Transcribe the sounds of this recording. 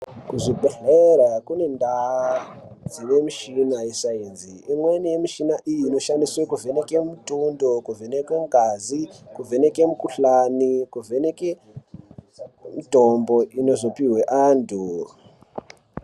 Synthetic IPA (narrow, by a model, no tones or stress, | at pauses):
kuʐiɓʱeɬeɾakune̞nda | d͡ziʋe̞miʃinaisainziːmwenije̞miʃinaʔijiːno̞ʃandiswekuve̞nekemutundokuvʱenekweŋɡazikuvʱe̞nekemukuɬanikuvʱe̞neke | mitombo̞ino̞zopiweʔaːntu